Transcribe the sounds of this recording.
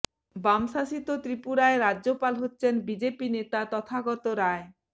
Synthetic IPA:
bamʃaʃit̪ot̪ɾipuɾaeɾadopalɦotːɕʰenbid͡ʑepinet̪at̪ɔt̪ʰaɡɔt̪oɾae

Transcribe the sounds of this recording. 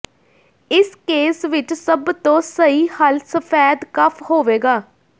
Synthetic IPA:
ɪskeːsʋɪt͡ʃsəbt̪õːsəiːhəlsəpʰɛːd̪kəpʰhoːʋeːɡaː

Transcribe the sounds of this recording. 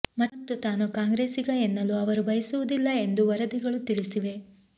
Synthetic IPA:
mɐt̪ːut̪aːnukaːŋɡɾe̞ːsiɡɐenːɐluɐʋɐɾubɐjɐsuʋud̪ilːɐe̞nd̪uʋɐɾɐd̪iɡɐɭut̪iɭisiʋe̞

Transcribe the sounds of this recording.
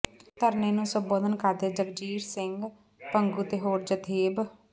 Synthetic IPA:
t̪əɾneːnũːsəmboːd̪ənkaɾd̪eːd͡ʒəɡd͡ʒiːɾsɪŋɡ | pəŋɡuːt̪eːɦoːɾd͡ʒət̪ʰeːb

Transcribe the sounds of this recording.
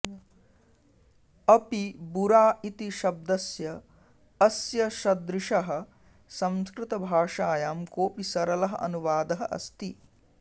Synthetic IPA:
ɐpibuɾaːit̪iʃɐb̚d̪ɐsjɐː | sjɐʃɐd̪ɾɪʂɐɦɐ̆ | sɐ̃mskɾɪt̪ɐbʱaːʂaːjaːmkoːpisɐɾɐlɐɦɐ̰̆ɐ̰nuʋaːd̪ɐɦɐʔɐ̰st̪i

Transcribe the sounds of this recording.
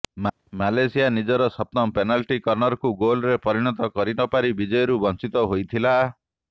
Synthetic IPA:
malesijanid͡ʒɔɾɔsɔp̚nɔmpenalʈikɔɾnɔɾɔkuɡolɾepɔɾiɽ̃ɔt̪ɔkɔɾinɔpaɾibid͡ʒɔjɔɾubɔnt͡ʃit̪ɔɦojt̪ʰila

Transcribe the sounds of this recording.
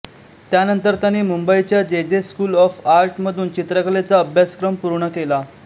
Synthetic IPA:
t̪janənt̪əɾt̪janiːmumbəit͡ɕjad͡ʑed͡zeskuːlɔfaɾʈməd̪ʱuːnt͡ɕit̪ɾəkəɭet͡saəbʱjaskɾəmpuɾɳəkela

